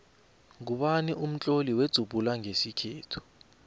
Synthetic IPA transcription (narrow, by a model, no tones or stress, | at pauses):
ŋk̬uɓaniʔum̩t͡ɬʼoliwed̥z̥ʱub̥ʱulaŋesikʰeːtʰu̥